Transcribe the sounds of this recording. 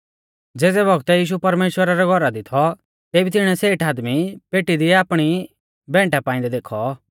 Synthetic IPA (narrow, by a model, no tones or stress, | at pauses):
d͡zeːd͡zɛbʱɔɡt̪ɛjiːʃ̬upɐɾmeːʃwəɾaɾɛɡʱɔɾad̪it̪ʰɔ | t̪eːbit̪ɪɽ̃ɛseːʈaːd̪mipeːʈid̪iaːpɽ̃i | bɛ̃ːɳʈapaːɪ̃nd̪ɛd̪eːkʰɔ